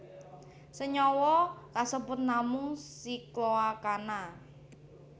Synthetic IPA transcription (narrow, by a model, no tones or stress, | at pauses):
səɲɔwɔkasəbʊt̪̚namʊŋsikloakana